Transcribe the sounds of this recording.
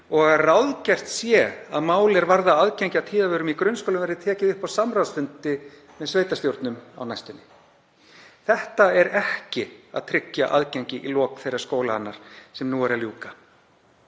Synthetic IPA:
ɔɣarawðcɛr̥t̪sjɛa̰ðmaːwlɛɾvaɾðaaðcɛjɲcɪawt̪ʰiːðavœːɾʏmikɾʏnskowlʏmvɛɾðɪt̪ʰɛːcɪðʏhpawsamɾawsfʏnt̪ɪ | mɛðsveːjt̪asjowɾt̪nʏma̰wnajst̪ʏnːɪ | θɛht̪aɛɾɛhcɪa̰ðt̪ʰɾɪcːaʔaðcaɲcɪʔilɔːkθejɾaɾ̥skoːwlahanːaɾ̥sɛmnuːɛɾaljuːka

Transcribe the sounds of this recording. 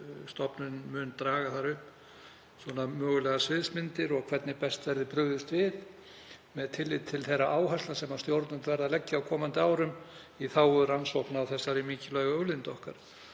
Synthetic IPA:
st̪ɔpnʏnmʏnt̪ɾaːɣaθaɾʏhp | swɔnamœːɣʏlɛɣasvɪðsmɪnt̪ɪɾɔɣkʰv̥ɛt̪nɪpɛst̪vɛɾðɪpɾʏɣðʏst̪vɪð | mɛðt̪ʰɪlːɪt̪t̪ʰːɪlθejɾaʔaːwɦaslasɛmast̪jowɾt̪nʏmt̪vɛɾðalɛcːaawkʰɔːmant̪ɪaːwɾʏm | iθaːwʏɾansowhknawθɛsːaɾimiːcɪlœɥɣaœwlɪnt̪ɔhkaɾ̥

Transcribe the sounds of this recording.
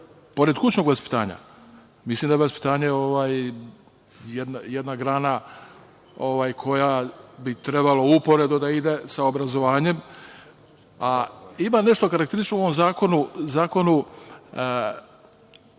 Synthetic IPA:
po̞ɾe̞d̪kut͡ɕno̞ɡlaspi̥t̪a̰ːɲa̰ | mislˠimd̪aaspi̥t̪aːɲeo̞ʋaːj | jed̪najed̪naɡɾaːna | o̞ʋaːjkʰo̞jabit̪ɾe̞baloupo̞ɾed̪ud̪aid̪e̞saobɾazo̞ʋaːɲe̞m | aimane̞ʃt̪o̞kaɾakt̪eɾisit͡ʃnouoʋomzaːko̞nuzaːko̞nu

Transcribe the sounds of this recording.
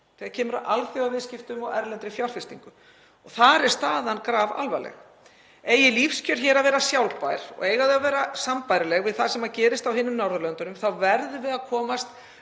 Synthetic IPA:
θɛaðcʰɛːmʏɾaʔalθiawvɪðscɪft̪ʏmɔɣɛɾlɛnt̪ɾɪfjawr̥fɪst̪iŋkʏ | ɔɣθaɾɛɾ̥st̪aːðankɾaːva̰lvalɛ̰x | ɛjɪlifscœɾ̥çɛːɾaðvɛːɾasjawlpajɾ̥ɔ̰ɣejɣaðʏavɛːɾasampajɾɪlɛɣvɪðθḁsɛmːacɛːɾɪst̪awhɪnːʏmnawɾðʏlœnt̪ʏnʏmθawvɛɾðʏvɪðaðkʰɔːmast̪

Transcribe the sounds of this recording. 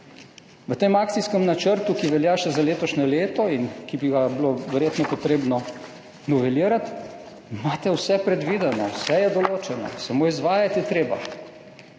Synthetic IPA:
ʋət̪eːmaːkt̪sijskɛmnat͡ʃəɾt̪ukiʋɛljaːʃɛzaleːt̪ɔʃnɛleːt̪ɔinkibiɡabloʋɛɾjeːt̪nɔpɔt̪ɾeːbnɔ | nɔʋɛliːəɾat̪ | maːt̪ɛwsɛpɾɛd̪ʋid̪ɛnɔwsɛjɛd̪ɔloːt͡ʃɛnɔ̰samoːizʋaːjat̪jɛt̪ɾeːba̰

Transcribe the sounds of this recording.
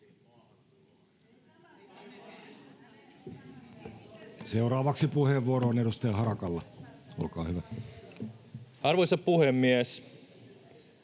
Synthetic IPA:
seuɾɑːʋɑksipuheːʋːuoɾoːnedust̪ejɑhɑɾɑkɑlːɑo̰lkɑ̰ːhyʋæ | ɑrʋojsɑppuhemːiæs

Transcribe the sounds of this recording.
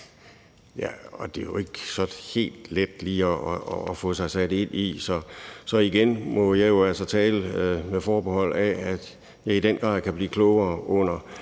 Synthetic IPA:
jæɒ̽d̥e̝jo̝e̝ɡ̥sɒ̽d̥he̝̰ːld̥led̥liːɒːfɔsɑ̈ɪsæd̥e̝n̰isɒ̽sɒ̽iɡ̥enmɒ̽jɑ̈ɪjo̝ælsɐt͡sʰɛːləmefɒːb̥ehɒ̽l̰ææd̥ | jɑ̈ɪid̥enɡ̥ʁɑ̰̈ð̰ˠkʰæb̥liːkʰlɔʊɐːɔ̽n̰ɐ

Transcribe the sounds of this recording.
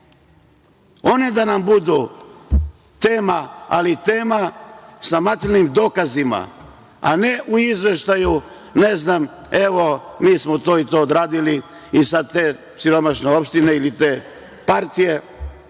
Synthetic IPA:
o̞ne̞d̪anambud̪u | t̪eːmaa̰lit̪eːmasamat̪ilnimd̪oːkazima̰ | a̰neʔuizʋe̞ʃt̪aju | neznam | e̞ʋo̞miːsmot̪oːit̪o̞ːd̪ɾaːd̪ili | isad̪̚t̪eː | siɾo̞maʃneo̞pʃt̪ineilit̪eː | paɾt̪ije̞

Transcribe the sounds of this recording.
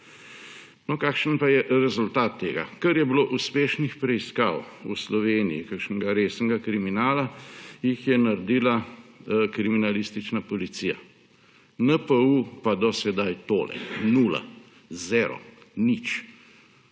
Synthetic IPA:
nɔkaːkʃənpajɛʔɾɛzult̪aːt̪ːeːɡa̰kɐɾjɛbiloːʔuspeːʃnixpɾɛiskaːwuslɔʋeːnijḭkəkʃnɛɡaɾeːsnɛɡakɾiminaːlajixjɛnaɾd̪iːla | kɾiminalist̪it͡ʃnapɔlit̪sija̰ | nəpəupad̪ɔsɛd̪ajt̪oːlɛ̰nuːla̰ | zɛːɾɔ̰nit͡ʃ

